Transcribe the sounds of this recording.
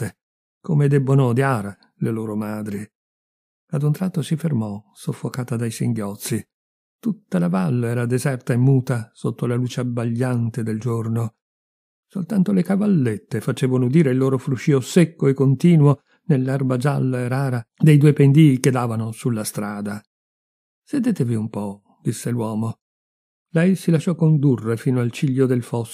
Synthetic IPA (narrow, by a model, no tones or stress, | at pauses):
t̪ːe | komed̪ebːonod̪jaːɾa | leloːɾomaːd̪ɾi | ad̪unt̪ɾat̪ːosifermɔsofːokaːt̪ad̪ajsiŋɡjɔt̪sːi | t̪ut̪ːalavalːoɛːɾad̪ezɛrt̪aemːuːt̪asot̪ːolaluːt͡ʃeabaʎːant̪ed̪eld͡ʒorno | solt̪ant̪olekavalːet̪ːefat͡ʃeːvanoud̪iːɾeilːoːɾofɾuʃiosekːoekːont̪iːnwo | nelːarbad͡ʒa̰lːoeɾaːɾad̪ejd̪uːepend̪iːked̪ːaːvanosulːast̪ɾaːd̪a | sed̪eːt̪eviumpɔ | d̪̥isːelwɔːmo | lɛjsilaʃːɔkːond̪urːefiːnoalt͡ʃiʎːod̪elfɔs